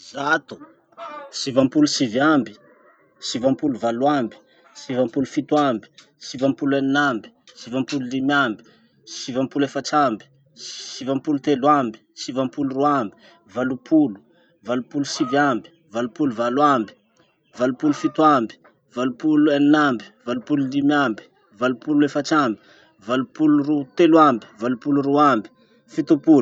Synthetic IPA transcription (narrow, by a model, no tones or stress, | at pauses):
zat̪u̥ | sivampulusivambi̥ | sivampuluvaluwambi̥ | sivampulufit̪wambi̥ | sivampulaninambi̥ | sivampululimjambi̥ | sivampulefaʈ͡ʂambi̥ | sivampulut̪elwambi̥sivampuluruambi̥ | valupʰulu̥ | valupulusivambi̥ | valupuluvalwambi̥ | valupulufit̪uambi̥ | valupuluaninambi̥valupululimambi̥ | valupuluefat͡ʃambi̥ | valupulurut̪elwambi̥valupuluɾuambi̥ | fit̪upul